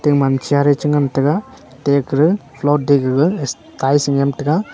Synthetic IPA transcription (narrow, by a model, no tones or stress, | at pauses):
teŋmant͡ʃʰiaɾɯt͡ʃɯŋamtɯɡa | tekɾɯpʰlot̚deɡɯɡɯs | tajsiŋjamtɯɡa